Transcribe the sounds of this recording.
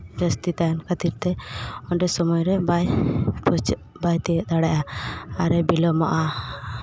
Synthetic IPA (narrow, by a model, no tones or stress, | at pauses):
bɾəst̪it̪ajankʰət̪iɾt̪ɛɔɖɛsɔmɔjɾɛbajpɔ | bajt̪ɛd̪aɽaʔaːɾɛbilɔmɔʔa